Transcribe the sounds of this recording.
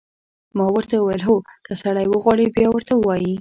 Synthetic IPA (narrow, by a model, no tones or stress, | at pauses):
mɑwəɾt̪auwajəlɦokəsaɽajwəɣwɑɽibjɑwəɾt̪awɑji